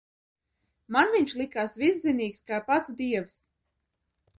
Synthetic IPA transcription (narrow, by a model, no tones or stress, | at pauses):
manviɲʃlˠikaːsvisziniːkskaːpat̪sd̪iɛws